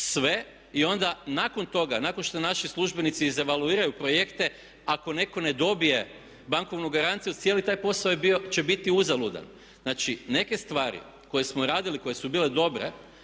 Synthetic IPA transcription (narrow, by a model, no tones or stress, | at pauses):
sʋe̞ | io̞nd̪anako̞nt̪o̞ɡanako̞nʃt̪onaʃislˠuʒbe̞nit̪siːze̞ʋaluiːɾajupɾo̞je̞kt̪e̞ | ako̞ne̞ko̞ne̞d̪o̞bije̞ | baŋko̞ʋnuɡaɾant̪sijut̪sjelit̪aːjpo̞saojebiot͡ʃe̞bit̪iuzalud̪a̰n | nat͡ʃine̞ke̞st̪ʋaːɾḭ | ko̞jesmo̞ɾaːd̪iliko̞je̞subiːle̞d̪o̞bɾḛ